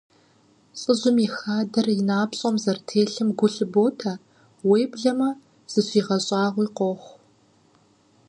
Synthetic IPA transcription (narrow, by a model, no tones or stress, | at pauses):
t͡sʼɨʑʊmixaːdɐrjɪnaːpɕʼɔmzɐrtʰeːɬɨmɡʷʊɬɨboːtʰɐ | weːbɮɐmɐ | z̥ɨɕʼiːʁɐɕʼɑːʁʷiːqʷɔχʷ